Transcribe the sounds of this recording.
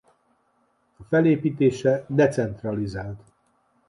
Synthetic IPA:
ɒfɛleːpiːt̪eːʃɛd̪ɛt̪sɛnt̪rɒlizaːlt̪

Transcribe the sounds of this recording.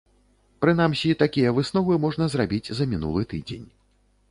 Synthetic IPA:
pɾɨn̪amsʲit̪akʲijɐvɨsnɔvɨmɔʐnɐzrabʲid͡zʲzɐmʲin̪ṵlˠɨt̪ɨd͡zʲḛnʲ

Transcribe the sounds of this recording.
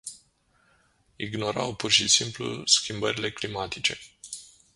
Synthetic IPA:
ḭɡno̞ɾa̰wpurʃisimplṵskʲimbəɾile̞klimat̪it͡ʃe̞̰

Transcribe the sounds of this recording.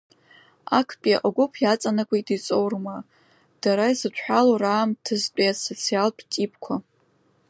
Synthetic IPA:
a̰kʰpʼiaʔaɡʷʊpʰjat͡sʼanɨkʷʼajtʼit͡sʼowrma | d̥aɾaizɨt͡ʃʷħaloraːmtʰɨzt͡pʷʼiasot͡sʰialpʰtʼipʰkʷʰa

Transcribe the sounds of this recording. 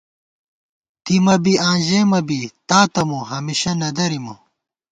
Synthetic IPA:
t̪imɐbiãːʑemɐbit̪aːt̪ɐmuɦɐmiɕɐnɐd̪ɐɾimɐ

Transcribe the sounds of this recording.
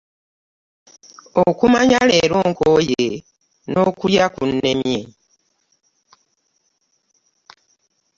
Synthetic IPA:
okumaɲale̞ːɾoːŋkoje | no̞ːkuljakune̞mje

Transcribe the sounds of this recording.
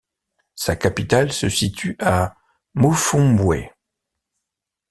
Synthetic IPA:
sakapit̪alsəsit̪ʰyʔa | mofɔ̃bwɛ̰

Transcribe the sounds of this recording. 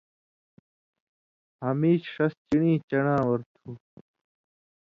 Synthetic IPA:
hɐmiːɕʂɐst͡ɕiɳĩːt͡ɕɐɳãːwɐɾt̪ʰuː

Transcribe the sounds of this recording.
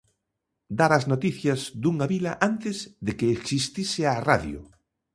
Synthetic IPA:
d̪aɾɐznot̪iθjɐzðuŋaβilɐʔant̪ɪzðekeːksist̪isɪaraðjʊ̰

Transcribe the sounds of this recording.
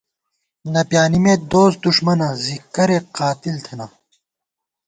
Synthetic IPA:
nɐpjaːnimet̪̚d̪oːs̚d̪uʂmɐnɐzikːɐɾeqaːt̪ilt̪ʰɐna

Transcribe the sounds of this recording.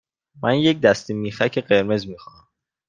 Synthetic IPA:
mʔænjec̚d̪æst̪imiːxæcʰeɢe̞ɾme̞zmiːxɑːnæm

